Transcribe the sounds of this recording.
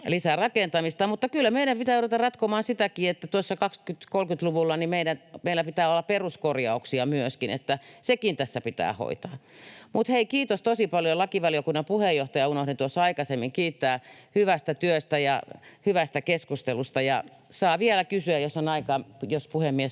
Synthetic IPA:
lisærɑkent̪ɑmist̪ɑmut̪ːɑkylːæmeiɾæmpit̪æːot̪ot̪ɑrɑt̪komɑːnsit̪ækiːet̪ːæt̪uosːɑkɑkskyt̪kolkyt̪luʋulːɑnimeiɾænmeilːæpit̪æːolːɑpperuskorjɑ̰uksiɑmyøskinḛt̪ːæsekint̪æsːæpit̪æ̰ːho̰it̪ɑːmut̪heikiːt̪ost̪osipɑljolɑkiʋɑljokunːɑpuhejoht̪ɑjɑunohdint̪uosːɑɑikɑsemːiŋkiːt̪ːæːhyʋæst̪æt̪yøst̪æjɑhyʋæst̪ækeskust̪elust̪ɑjɑ̰ | sɑːʋielækysyæjjosːonɑikɑːmjospuhemːies

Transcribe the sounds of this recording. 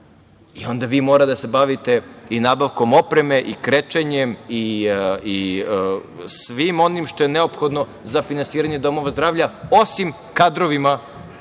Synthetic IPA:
io̞nd̪aʋiːmo̞ːɾat̪d̪ase̞baʋit̪e̞inaːbaʋko̞mo̞pɾe̞me̞ʔikɾet͡ʃeɲemii | sʋimo̞nimʃt̪ojeneopxo̞d̪no̞ | zafinansiːɾaɲed̪o̞mo̞ʋazd̪ɾaːʋʎao̞sim | kad̪ɾoʋima

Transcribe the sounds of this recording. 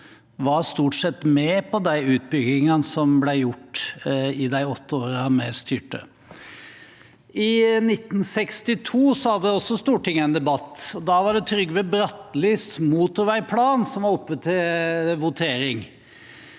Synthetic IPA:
ʋɑɾst̪uːʈʂɛt̪ːmɛpʰɔd̪æɪʉːt̪̚bʏɡɪŋɑnsɔmblæjʊʈː | ɪd̪æɪɔt̪ːəoːɾɑmɛːst̪yːʈə̰ | ɪnɪt̪ːn̩sɛkst̪ɪt̪ʰuːsɔhɑd̪ːəd̪ɛɔsːɔst̪uːʈʰɪŋːəæɪnd̪ɛbɑt̪ːɔd̪ɑːʋɑɖɛt̪ʰɾʏɡːʋɛbɾɑt̪ːlyːsmuːt̪əɾʋæɪpʰlɑːnsɔmʋɑɾɔpːʋət̪ʰɪʋʊt̪ʰeːɾɪŋ

